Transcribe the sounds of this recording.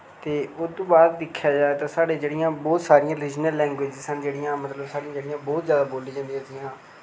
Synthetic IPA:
t̪eːod̪õːbaːd̪d̪ɪkʰːjaːd͡ʒaːeːt̪aːsaːɽeːd͡ʒeːɽijãːbɔːt̪saːɾĩːãːɾɪd͡ʒnəlːɛ̃ːŋɡʋeːd͡ʒzsənd͡ʒeːɽijãːmət̪ləbsaːɽɪãːd͡ʒeːɽɪjãːbɔːt̪zjaːd̪aːboːliːd͡ʒãːnd̪iãːd̪ijãː

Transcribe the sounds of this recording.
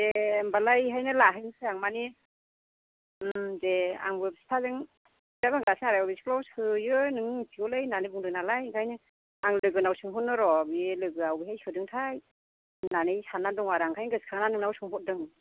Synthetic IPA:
ebalajɦajnɯlaɦɯɯŋsʰɯaŋmani | zea̰ŋbɯbsi̥tʰazɯŋ | zabɯŋɡasɯaɾajɔbisklawsɯjɯnɯŋɯtʰiulɯjnanɯbɯŋdɯnalajɡajnɯ | aŋlɯɡɯnawsɯŋɦunːɯɾɔbelɯɡɯawbiɦajsɯdɯŋtʰaj | nanɯjsanadɯŋwaɾaŋkʰajnɡɯskʰaŋnanɯŋnawsɯŋpʰɔt̚dɯŋ

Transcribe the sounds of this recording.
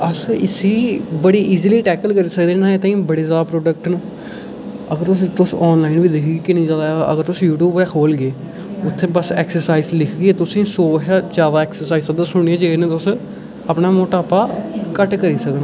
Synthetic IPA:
əsɪsiːbəɽiːʔiːziːliːʈɛːkəlkəɾiːsəkd̪eːnãːɪt̪ĩːbəɽeːzaːd̪aːpɾoːɖək̚ʈnũː | ə̰ɡəɾt̪ʊst̪ʊsɔːnlaːɪnʋiːd̪ɪkʰɡiːkɪnĩːd͡ʒaːd̪aːə̰ɡəɾt̪ʊsjuːʈ̬juːbɛːkʰoːlɡeː | ʊt̪ʰːẽːbəsɛːksəɾsaːizlɪkʰɡeːt̪ʊsĩːsoːɦad͡ʒjaːd̪aːɛːksəɾsaːiːzsəd̪asʊɽ̃iẽːd͡ʒenẽːt̪ʊs | aːpnaːmoːʈaːpaːkəʈkəɾiːsəkd̪nẽː

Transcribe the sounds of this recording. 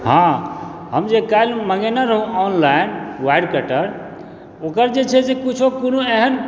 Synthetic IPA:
ɦãhəmd͡ʒekajlməɡenaɾəɦũɔnlajnwajɖkəʈəɾ | okəɾd͡ʒet͡ʃʰɛsekit͡ʃʰokonoeɦən

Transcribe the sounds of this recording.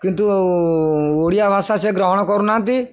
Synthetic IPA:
kɪ̃nt̪u | oːɽɪjaːʋaːsãseːɡɾaːɳ̃kɔɾonãːt̪̬iː

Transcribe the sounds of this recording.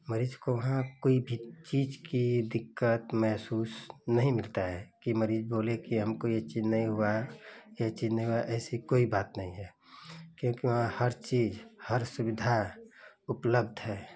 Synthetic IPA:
məɾiːd͡ʒkoʋɐɦãkoːibʱit͡ʃiːd͡ʒkid̪ɪkːət̪mɛɦsuːsnɐɦĩmɪlt̪aɦɛkiməɾiːd͡ʒboːlekiɦəmkojet͡ʃiːd͡ʒnɐɦĩɦuajet͡ʃiːd͡ʒnəɦĩɦuaʔɛːsikoːibaːt̪nəɦĩɦɛː | kjõːkiʋɐɦãhəɾt͡ʃiːd͡ʒhəɾsʊbɪd̪ʱa | ʊpləb̚d̪ʱɦɛː

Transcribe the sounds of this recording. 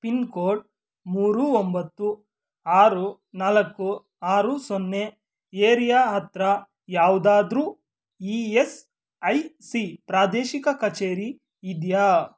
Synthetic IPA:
pinkoːʈ̚ | muːɾuːombɐt̪ːu | aːɾu | naːlɐkːu | aːɾusonːe | eːɾijaːɦɐt̪ɾɐ | jaːʋud̪aːd̪ɾuː | ies | ɐjsipɾaːd̪eːʃikɐkɐt͡ʃeːɾiː | d̪jaː

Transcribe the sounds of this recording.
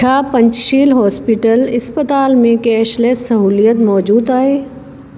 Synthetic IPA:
aːpɐ̃ɲt͡ɕʃiːlɦɔːspiʈəlɪspət̪aːlmẽkɛːʃleːsɐɦuːlijət̪mɔːd͡ʒuːd̪aːɦeː

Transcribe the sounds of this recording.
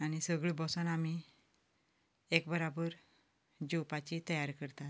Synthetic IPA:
añisəɡɭiːbɔsənami | ekbəɾabəɾ | d͡ʑuwpat͡ɕit̪əjaɾkəɾt̪a

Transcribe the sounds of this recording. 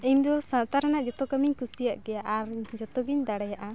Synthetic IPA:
iɲd̪ɔsãt̪aɾɔnaʔd͡ʒɔt̪ɔkamiɲkusijaʔɡɛjaʔaɾd͡ʒɔt̪ɔɡiɲd̪aɽɛjaʔa

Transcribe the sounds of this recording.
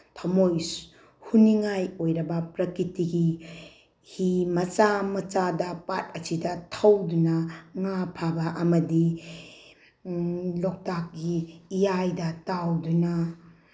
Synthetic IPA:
tʰɐmojs | huniŋajojɾɐbɐpɾɐkɾitiɡi | himɐt͡ʃamɐt͡ʃadɐpat̚ɐsidɐtʰɐwdunɐŋapʰabɐʔɐmɐdi | lɔk̚tak̚ɡiːjajdɐtawdunɐ

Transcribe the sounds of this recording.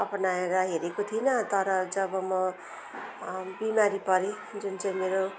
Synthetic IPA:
ʌpʌnaeɾʌɦeɾekot̪ʰinʌt̪ʌɾʌd͡zʌbʌmʌ | bimaɾipʌɾe | d͡zunt͡sʌmeɾo

